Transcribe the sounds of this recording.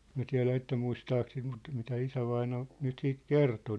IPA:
mĭæ̝ tiæ̝læ etːæ muistɑːk sit mut mitæ isæʋɑinɑ nyt siːt kerto

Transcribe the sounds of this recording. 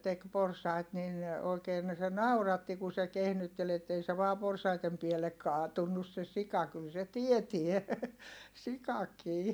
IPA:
tek porsɑit nin oikeːn se nɑurɑtːi ku se kehnytːel etːei se ʋɑː porsɑitem pielːek kɑːtunːus se sikɑ kyl se tietie sikɑkiː

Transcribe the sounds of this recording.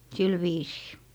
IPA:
sil ʋiːsiː

